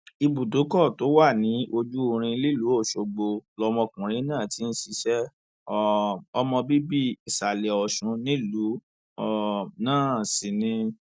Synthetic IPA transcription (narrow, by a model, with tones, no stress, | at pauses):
i˧bu˨do˨˦kɔ˦˨to˨˦wa˦˨nĩ˨˦ʔo˧d͡ʒu˦o˧ɾ̃ĩ˧li˦˨lu˨˦o˦˨ʃo˨˧ɡ͡bo˧lɔ˧mɔ̃˧kũ˨ɾ̃ĩ˨˦nãː˦˨ti˨˦n̩˦si˧ʃɛ˦ | ɔ˦ɔ˧mɔ̃˧bi˦bi˦i˨sa˨lɛ˨ɔ˨ʃũ˨˦nĩ˦lu˨˦ | ɔ˦˨nãː˦˨si˨nĩ˧